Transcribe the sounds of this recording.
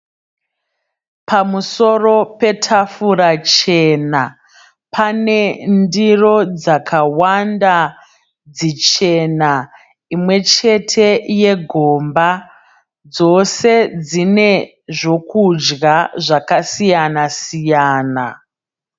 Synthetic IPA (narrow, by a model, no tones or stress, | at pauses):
pamuso̞ro̞pe̞tʰafuɾat͡ʃe̞na | pʰane̞ndiro̞d͡zakʰawanda | d͡zit͡ʃe̞na | imwe̞t͡ʃe̞tʰe̞je̞ɡʱo̞mba | d͡zo̞se̞d͡zine̞ | ʐo̞kud͡ʒɡaʐakasijanasijaːna̰